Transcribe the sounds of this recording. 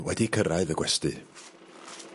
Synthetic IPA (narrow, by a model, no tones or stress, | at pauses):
wɛdikʰəɾaɨðəɡwɛstɨ̰